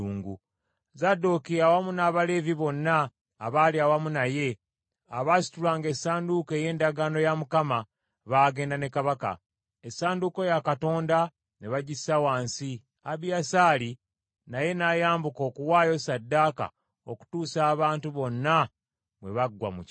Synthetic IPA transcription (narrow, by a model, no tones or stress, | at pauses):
uːŋɡu | zadokijawamunaːβale̞viβo̞nːaː | βaːliawamunaje̞ | aβaːsi̥tulaːŋɡe̞saːnduke̞je̞ːndaɡaːno̞jamukama | βaːɡe̞ːndane̞kaβaka̰ | esaːnduko̞jakato̞ːnda | ne̞βaɟisawaːnsi | aβjasaːli | naje̞naːjaːmbuko̞ːkuwaːjo̞sadːaka̰ | o̞̰ku̥tuːsaːβaːntuβo̞nːa | βwe̞̰βaɡwa̰muc